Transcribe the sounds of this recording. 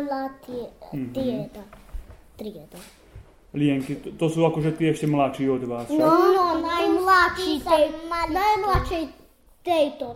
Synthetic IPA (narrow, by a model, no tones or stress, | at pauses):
lat̪iɛiɛd̪at̪ɾiɛd̪a | liɛŋkit̪osuːakoʒɛt̪iɛɛʃcɛmlatʃiːod̪ʋaːsnɔnɔnajmlaʃiːsajmalnajmlaʃɛj | t̪ɛjt̪o